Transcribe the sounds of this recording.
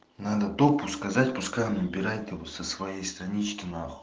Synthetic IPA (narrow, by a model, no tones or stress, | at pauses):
nad̪əd̪opʊskɐzatʲpʊskajɪmnʲɪbʲɪɾajt̪ʲɪvot̪səsvɐjejst̪ɾɐnʲit͡ɕkʲɪnaχ